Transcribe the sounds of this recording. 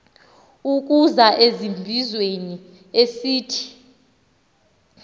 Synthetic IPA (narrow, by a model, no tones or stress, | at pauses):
uk̬ʼuzaʔezimbʱizweni | esiːtʰi̥